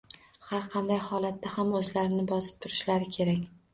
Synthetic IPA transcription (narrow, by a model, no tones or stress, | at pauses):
haɾqʰɑnd̪ajhɒlˠat̪ːahamɵzlaɾɪnɪbɒsɪp̚t̪ʰʊɾɪʃlaɾɪkʲʰe̞ɾakʲ